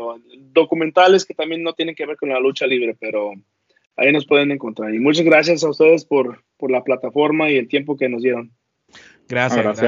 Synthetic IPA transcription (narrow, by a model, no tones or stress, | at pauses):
o | d̪o̞kume̞nt̪ale̞sket̪ambje̞nːo̞t̪je̞neŋke̞βe̞ɾko̞nlalut͡ʃaliβ̞ɾe̞pe̞ɾo̞ | a̰ino̞spwe̞ð̞e̞ne̞ŋko̞nt̪ɾaɾimut͡ʃazɣɾas̬jas̬aust̪e̞ðe̞spo̞ɾ | po̞ɾlaplat̪afo̞ɾmaie̞lt̪je̞mp̬o̞ke̞no̞zðje̞ɾo̞n | ɡɾaa